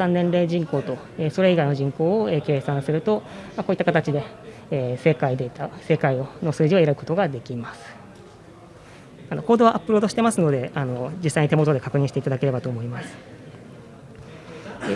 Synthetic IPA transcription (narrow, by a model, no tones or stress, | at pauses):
sãnːẽnɾe̞ːd͡ʑĩŋko̞ːt̪o̞ | eso̞ɾe̞iɡaino̞ʑĩŋko̞ːoeːke̞ːsãɰ̃sɨɾɯ̟t̪o̞mako̞ːit̪ːakat̪at͡ɕid̪e̞ː | se̞kaid̪e̞t̪asekaio̞no̞sɨːʑiaeɾaɾɯ̟ko̞t̪o̞ɡad̪e̞kʲimasɨ̥ | ano̞koːd̪o̞βaʔapːɯ̟ɾo̞ːd̪oɕi̥t̪e̞masɨno̞d̪e̞ano̞d͡ʑisːaiɲ̟it̪e̞mo̞t̪od̪e̞kakɯ̟ɲ̟ĩɕi̥teit̪ad̪ake̞ɾe̞bat̪o̞ːmo̞imasɨ̥ | e